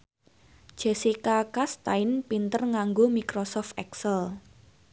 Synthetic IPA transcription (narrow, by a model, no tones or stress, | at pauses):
d̥ʒ̥esikakast̪aɪnpint̪ərŋaŋɡomikɾosɔft̪ɛksəl